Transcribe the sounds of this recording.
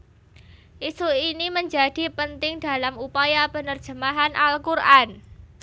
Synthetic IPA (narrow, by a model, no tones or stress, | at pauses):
ʔisuiniməɲd͡ʒa̤d̥i̤pənt̪ɪŋda̤lamupajabə̤nərd̥ʒ̥ə̤maɦanʔalkurʔan